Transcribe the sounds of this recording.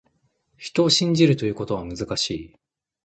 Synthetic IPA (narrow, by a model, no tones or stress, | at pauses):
çi̥t̪o̞ːɕĩɲ̟d͡ʑiɾɯ̟t̪o̞jɯ̟ːko̞t̪o̞β̞amɯ̟zɨkaɕiː